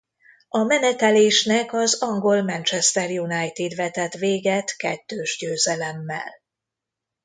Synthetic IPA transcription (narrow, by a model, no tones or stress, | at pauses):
ɒmɛnɛt̪ɛleːʃnɛkɒzɒŋɡo̞lmɛnt͡ʃɛst̪ɛrjunajt̪id̪ʋɛt̪ɛt̪ʋeːɡɛt̪kɛt̪ːøːʒɟøːzɛlɛmːɛ̰l